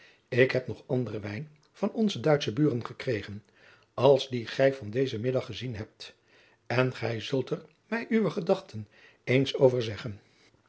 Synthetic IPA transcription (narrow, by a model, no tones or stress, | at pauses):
ɪkɦɛpnɔχɑndərəʋɛjn | v̥ɑnɔnzədœɥtsəbyːrənχəkrejχən | ɑlˠzdiχɛjvɑndejzəmɪdɑχːəzinɦɛp̚t | ɛnχɛjzɵlˠtər | mɛjʔyʋəχədɑχtʰən | ejnsowvəɹzɛχən